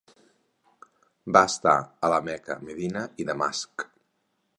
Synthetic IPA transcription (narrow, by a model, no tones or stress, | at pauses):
baəst̪a̰ələmɛkə̰meðinəiðəma̰sk